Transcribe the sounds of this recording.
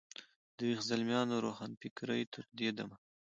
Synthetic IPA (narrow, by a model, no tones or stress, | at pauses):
d̪əwixzalmjɑːnoɾoxɑnpɪkɾəjt̪ʰʊɾ̚d̪ed̪ama